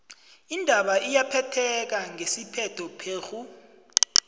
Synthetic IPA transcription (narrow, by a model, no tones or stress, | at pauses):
indʱaɓaʔijapʰɛtʰɛk̬aŋʱesipʰɛtʰɔpʰeːxu